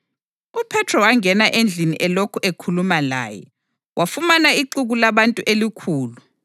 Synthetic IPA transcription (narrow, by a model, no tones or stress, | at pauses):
upʰɛtʰrɔwaŋɛnaʔend͡ɮʱiniʔɛlokʰuekʰulumala̰ːjɛ̰ | wʔafumanaiǃuɣulaβantʼuʔelikʰuːlu